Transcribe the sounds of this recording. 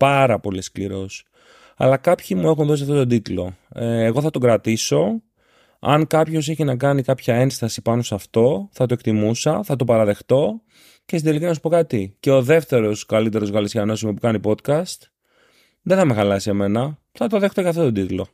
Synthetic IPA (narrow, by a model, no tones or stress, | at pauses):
pɐɾɐpo̞liskliɾo̞s | ɐ̰lɐkɐpçimue̞xunðos̬iɐft̪o̞t̪od̪it̪lo̞eɣo̞θɐt̪o̞ɡɾɐt̪iso̞ | ɐ̰ŋkɐpço̞s̬e̞çinɐkɐnikɐpçɐe̞nst̪ɐsipɐno̞sɐft̪o̞θɐt̪okt̪imusɐθɐt̪o̞pɐɾɐðe̞xt̪o̞ | cest̪ind̪elikinɐsu̥po̞kɐt̪ice̞o̞ðe̞ft̪e̞ɾo̞skɐlit̪e̞ɾo̞zɣɐlisçɐno̞smupukɐnipo̞t̪kɐst̪ | ðeθɐme̞xɐlɐsieme̞nɐ | θɐt̪oðe̞xt̪oʝɐft̪o̞t̪o̞d̪it̪lo̞